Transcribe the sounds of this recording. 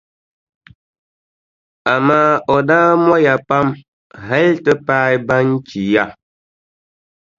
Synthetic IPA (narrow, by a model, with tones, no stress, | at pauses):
a˨maː˦ɔ˨daː˦mwɔ˦ja˨pa˦m | ɦɛ˦ltə˦pa˦jba˦n̩˦t͡ʃi˨ja˦˨